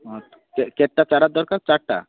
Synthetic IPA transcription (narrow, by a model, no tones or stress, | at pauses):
ət̪ | kekɛʈːat͡ɕaɾat̪̚d̪ɔɾkaɾt͡saɽʈa̰